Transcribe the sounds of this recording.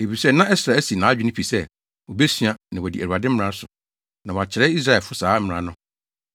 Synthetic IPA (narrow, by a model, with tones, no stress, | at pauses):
e˨fi˨sɛ˦˨nã˦ɛ˦sɾa˨æ˦si˨nã˨˦a˦d͡ʑᶣɪ˦nɪ̃˦pʰi˨sɛ˦ | wo˨be˦sɥa˦nã˨wɔ˨di˨æ˨ɾu˨a˨dɪ̃˦m̩˦ã˦sʊ˨ | nã˨wɔ˨a˨t͡ɕʰɪ˨ɾɛ˦i˦s̬ɾa˦ɛ˨fʊ˦saː˨˦m̩˦˨ɾã˨˦nʊ̃˦